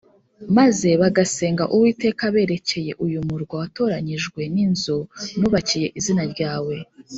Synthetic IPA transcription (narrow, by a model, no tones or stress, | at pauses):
maze̞βaɡase̞ːŋɡaʔuwiːte̞ːkaβe̞ːɾe̞ce̞je̞ʔujumuɾɡwawato̞ɾaɲiʒɡwe̞ninzonuːβacije̞ʔizinaɾɟaːwe̞